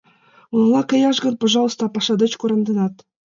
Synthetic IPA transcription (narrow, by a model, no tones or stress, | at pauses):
unlˠɑkʲɘ̆jɑʐɡɤ̆npŏʐɑlˠɤ̆st̪ɑpɑʂɑd̪ɤ̆t͡ɕkuɾɤ̆nd̪ɤ̆nɑt̪